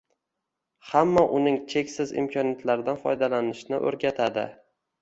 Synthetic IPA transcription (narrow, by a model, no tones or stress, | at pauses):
hamːaʔʊnɪŋt͡ʃʰe̞kʲsɪzɪ̰mkʰɒnjat̪laɾd̪anfɒ̰jd̪alanɪʃnɪʔɵ̰ɾɡʲat̪ʰad̪ɪ̰